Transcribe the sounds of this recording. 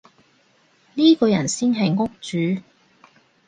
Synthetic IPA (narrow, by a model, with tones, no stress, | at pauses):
niː˥kɔː˧jɐ˨˩nsiː˥nɦɐ˨jŋʊ˥k̚t͡ʃyː˨˥˦